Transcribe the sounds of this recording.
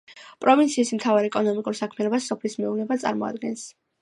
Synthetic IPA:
pʼɾɔvint̪sʰiːsm̩t̪ʰavaɾɛkʼɔnɔmikʼuɾsakʰmɛɛnɔbasːɔpʰlismɛuvnɛbat̪sʼa̰ɾmɔa̰d̪ɡɛns

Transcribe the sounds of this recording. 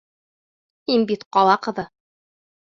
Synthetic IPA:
inbit̪qɑlˠɑqɤ̆ðɤ

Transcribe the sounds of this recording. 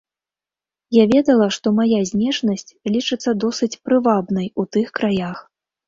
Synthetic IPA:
javʲɛd̪ɐlˠɐʂt̪ɔmajazʲnʲɛʐnɐsʲt͡sʲlʲit͡ʂɨt̪sːɐd̪ɔsɨt͡sʲpɾɨvabnɐjut̪ɨxkɾajax

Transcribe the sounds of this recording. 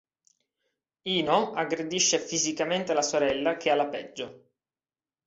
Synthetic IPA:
iːnoaɡɾed̪iʃːefizikament̪elasoɾɛlːak̟ealːapɛd͡ʒːo

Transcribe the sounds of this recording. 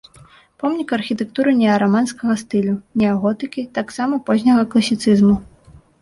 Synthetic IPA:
pɔmnʲikɐrxʲit̪ɛk̚t̪uɾɨnʲɛɐɾamanskɐɣɐst̪ɨlʲunʲɛɐɣɔt̪ɨkʲit̪aksamɐpɔzʲnʲɐɣɐklˠɐsʲit̪sɨzmu

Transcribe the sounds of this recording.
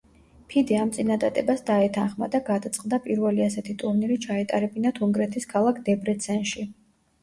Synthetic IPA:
pʰid̪iamt̪sʼinad̪ad̪ɛbasd̪aɛt̪ʰanχma̰d̪aɡad̪at̪sʼqʼd̪apʼiɾvɛliasɛt̪ʰit̪ʼuɾniɾit͡ʃʰaɛt̪ʼa̰ɾɛbinat̪ʰuŋɡɾɛt̪ʰiskʰalˠakʰd̪ɛbɾɛt̪sʰɛnʃi

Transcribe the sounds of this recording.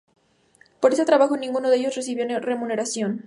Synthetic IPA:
po̞ɾe̞set̪ɾaβaxo̞nĩŋɡunoðeʝo̞sre̞s̬iβjo̞re̞mũne̞ɾasjo̞n

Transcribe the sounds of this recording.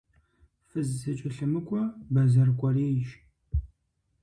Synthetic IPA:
fɨzsɨt͡ʃʼɪɬɨmɨkʷʼɔbɐzɐrkʷʼɔreːʒ

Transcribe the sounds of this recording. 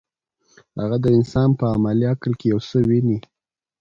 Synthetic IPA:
haɣad̪əɪnsɑnpəamaliaklkejawsəwini

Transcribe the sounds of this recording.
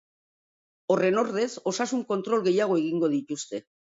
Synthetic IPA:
o̞re̞no̞ɾðe̞so̞sasuŋko̞nt̪ɾo̞lɣe̞jaɣ̞o̞e̞ɣ̞iŋɡo̞ð̞it̪ust̪e̞

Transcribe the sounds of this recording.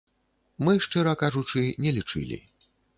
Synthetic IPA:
mɨʂt͡ʂɨɾɐkaʐut͡ʂɨnʲɛlʲit͡ʂɨ̰lʲḭ

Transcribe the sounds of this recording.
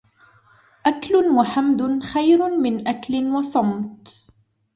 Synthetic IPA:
ʔaklʊnwaħamd̪ʊxajɾʊmɪnʔaklɪnwɑsˤɑmt̪

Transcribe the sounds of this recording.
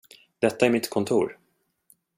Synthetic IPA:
d̪̥ɛt̪ːaæɾmɪt̪kʰɔnt̪ʰṵːɾ

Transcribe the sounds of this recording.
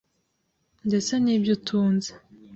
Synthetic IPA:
ndesaniːbjotʰuːnzḁ

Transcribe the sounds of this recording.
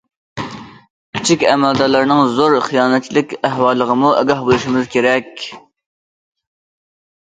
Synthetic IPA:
kʲʰi̥t͡ʃʰikʲɛ̰mɛld̪ɑɾlˠɑɾnɨŋzoɾχijɑːnɛt̪̚t͡ʃʰilɪkʲæɦwɑːlˠːəʁəmuʔɛɡɑhbolˠuʃimɪzkʲeɾɛkʲ

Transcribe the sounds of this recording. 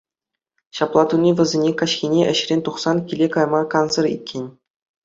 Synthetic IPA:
ɕɑplˠɑt̪unʲːiʋʲɘ̆zʲenʲekɑɕxʲinʲeʔɘ̆ɕrʲenʲt̪uχsɑnkʲilʲekɑjmɑkɑnsɤ̆rʲḭt̪̚ʲkʲʰenʲ

